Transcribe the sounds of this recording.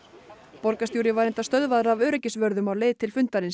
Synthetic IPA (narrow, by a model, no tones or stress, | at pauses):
pɔɾkasjuːɾɪvaɾejnt̪ast̪œðvaðɾavœːɾɛcɪsvœɾðʏmawleːjðt̪ʰɪlfʏnt̪aɾɪns